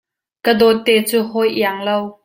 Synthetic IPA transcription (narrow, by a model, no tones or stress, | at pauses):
kəd̪ɔt̪ːɛːt͡suɦɔjʔiaŋlow